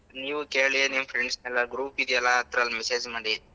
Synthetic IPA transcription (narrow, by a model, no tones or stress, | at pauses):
niːʋukeːɭinimpʰɾeɳɖsnɛlːɐɡɾuːpid̪ijɐlːaɐt̪ɾɐlmɛseːd͡ʒmaɽi